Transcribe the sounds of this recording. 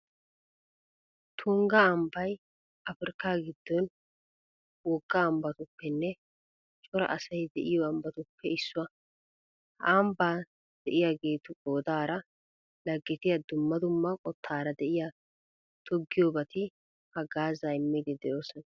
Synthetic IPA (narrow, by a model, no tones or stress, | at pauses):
t̪ʰʊŋɡɐːmbɐj | ʔɐfɪɾɪkːaːɡɪd̪̥ːɔn | wɔɡːɐːmbɐt̪ʊpːɛnːɛ | t͡ʃʼɔɾɐ̰ʔɐsɐjd̪ɛʔɪjɔɐmbɐt̪ʊpːɛɪsːʊwɐ | ɐmbaː | d̪̥ɛʔɪjaːɡe̞ːt̪ʊɡoːd̪aːɾɐ | lɐɡːɪt̪ɪjɐd̪ʊmːɐd̪ʊmːɐkʼɔt̪ʰːaːɾɐd̪ɛʔɪja | t̪ʰɔɡːɪjoːbɐt̪ɪ | hɐɡaːzaːɪmːid̪ɪd̪ɛjo̞ːsɔnɐ